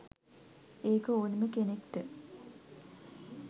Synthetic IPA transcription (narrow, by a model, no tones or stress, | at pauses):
eːkəoːnəməkenekʈ̪ə